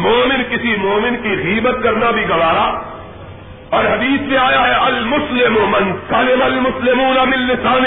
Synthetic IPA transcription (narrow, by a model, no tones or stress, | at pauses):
moːmɪnkɪsimoːmɪnkiɣiːbət̪̚kɐɾnabʱiɡɐʋaːɾaː | ɔːɾɦɐd̪iːsmẽaːjaɦɛʔɐlmʊslɪmʊmɪnsɐlɪmɐlmʊslɪmuːnamɪ̃nːɪsaːn